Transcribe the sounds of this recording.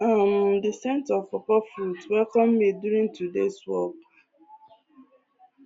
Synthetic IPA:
amdɪsɛ̃ntɔfɔkɔfɾutwɛkɔ̃mːeduɾĩŋtudeswɔk

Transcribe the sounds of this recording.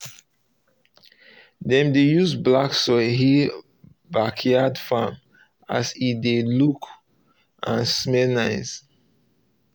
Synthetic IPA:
dɛ̃mdejuzblaksɔɦi | bakʰjadfam | a̰sideluk | ʔãnsmɛlnaɪs

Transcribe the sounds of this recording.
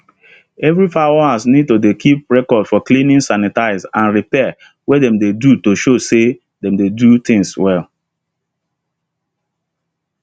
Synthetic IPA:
ɛvɹipaasnid̚todekʰip̚ɹɛkɔdfɔklĩnĩŋsanitaɪzãnɹipɛ | wedɛ̃mdedutoʃose | dɛ̃mdedut̪ĩŋswɛl

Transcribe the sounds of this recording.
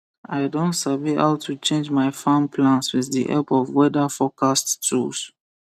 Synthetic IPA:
aɪdõntsaviha̰ʊtʰut͡ʃẽnd͡ʒmaɪfãmpʰlãnswɪððiʔɛ̰lpɔvwɛdafɔkʰasttʰṵls

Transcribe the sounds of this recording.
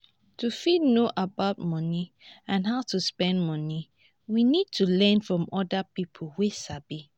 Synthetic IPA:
tʰufidnoʔabaʊt̚mɔ̃ni | ãnɦaʊtʰuspɛ̃ndmɔ̃ni | winid̚tʰulɛ̃nfɹɔ̃mɔdapipʰolˠwesabi

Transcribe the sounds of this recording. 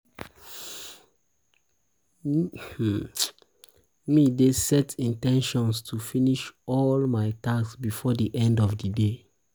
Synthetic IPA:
midesɛtĩntɛ̃nʃɔ̃nstʰufiniʃɔlmaɪtasbifɔdiʔɛ̃ndɔvdide

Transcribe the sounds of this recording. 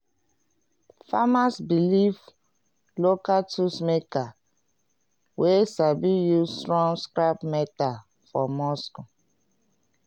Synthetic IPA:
famasbilif | lokatʰusmeka | wʔesabijuztɹɔ̃ŋɡskɹapmɛta | fɔmɔsko

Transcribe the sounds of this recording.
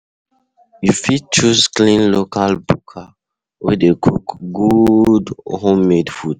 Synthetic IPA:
jufid̚t͡ʃusklĩnlokalbukʰa | wɛ̰dekʰukɡudhõmːedfud

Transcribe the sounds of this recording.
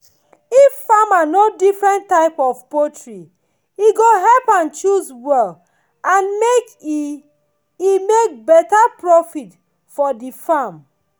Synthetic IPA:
iffamanodifɹɛ̃ntːaɪpɔvpotɹi | iɡoɦɛlpãnt͡ʃuzwɛl | ãnmek | imek̚bɛtapɹɔfit | fɔdifam

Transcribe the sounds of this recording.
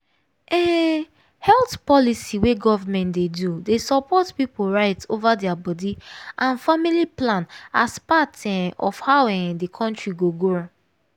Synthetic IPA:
ɛ | hɛltpɔlisiweɡɔvamɛ̃ntdedudesɔpɔtpipoɹaɪtsovadɛabɔdiʔãnfamiliplãna̰spatɛɔfhawɛdikʰɔ̃ntɹiɡoɡo

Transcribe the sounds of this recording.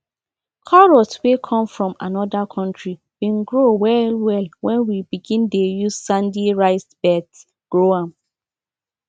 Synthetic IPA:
kʰɔɹɔtwekʰɔ̃mfɹɔ̃ma̰nɔdakʰɔ̃ntɹi | wĩnɡɹowɛlwɛlwɛ̃nwibiɡĩndejuzsãndiɹaɪsb̥ɛt | ɡ̥ɹoãm

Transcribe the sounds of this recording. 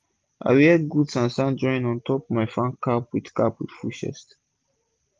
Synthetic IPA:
ʔa̰wiɛdɡudsãnsãnd͡ʒɔ̃ĩnɔ̃ntʰɔpmajfãŋkʰːapwid̥kapwid̥fuʃɛ̰st

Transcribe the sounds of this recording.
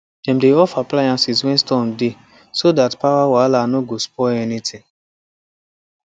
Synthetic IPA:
d̥ɛ̃m̩deɔfaplajãnsiswɛ̃nstɔ̃mde | sodatpawawalanoɡospɔɛnitʰĩ

